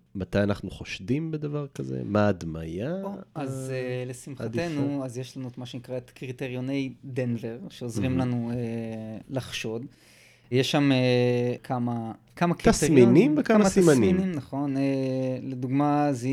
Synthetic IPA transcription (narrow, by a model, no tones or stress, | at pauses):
mat̪ajanaχnuχoʃd̪imbed̪avaʁkazḛmaːd̪ma̰jaoazelesimχate̞nuazjeʃlanuetmaʃe̞nikʁaet̪kʁit̪eʁjo̞ne̞jd̪enveʁʃe̞ozʁimlanuelaχʃo̞d | jeʃːamekʰama | kamakʁtiast̪ejinimvekamamasimaninimnaχo̞neleduɡmazi